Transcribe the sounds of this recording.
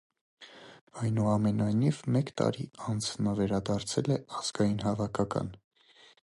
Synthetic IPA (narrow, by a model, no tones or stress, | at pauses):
ɑjnuɑmɛnɑjnivmɛkt̪ɑ̰ɾiɑnd͡znɑvɛɾɑd̪ɑɾt͡sʰɛlɛɑz̥ɡɑjinɦɑvɑkʰɑkɑ̰n